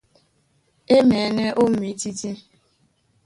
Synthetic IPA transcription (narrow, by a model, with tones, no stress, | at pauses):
e˦me˨˦ne˦ʔo˦m̩˦mi˨˦ti˦ti˦